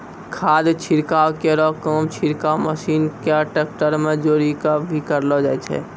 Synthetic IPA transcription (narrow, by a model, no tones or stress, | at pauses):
kʰaːd̪t͡ʃʰiɾkaːwkeɾɔːkɔːmt͡ʃʰiɾkaːwməʃiːnkeəʈeːk̚ʈəɾmẽd͡ʒoːɾikabʱikəɾlɔd͡ʒaːɛt͡ʃʰɛ̰ː